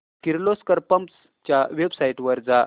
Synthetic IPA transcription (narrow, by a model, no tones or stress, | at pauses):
kiɾloskəɾpəmps | t͡ɕjaʋebsaiʈʋəɾd͡za